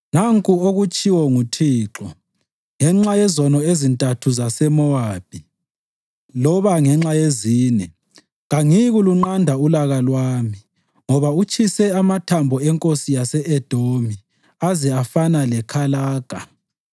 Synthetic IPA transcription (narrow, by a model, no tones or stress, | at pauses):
naŋkʼuoɣut͡ʃʼiwɔŋutʰiːǁɔ | ŋɛŋ͡ǁajɛzɔnɔezintʼatʰuzasɛmɔwaːb̥ʱi | lɔβaŋɛŋ͡ǁajeziːnɛ | ɣaŋiɣuluŋ͡ǃandʱaulaɣalwaːmi | ŋɔβaut͡ʃʼʰisɛamatʰambʱɔɛŋkʼosijasɛʔɛd̥ʱomi | azɛafanalɛkʰalaːɡ̥ʱa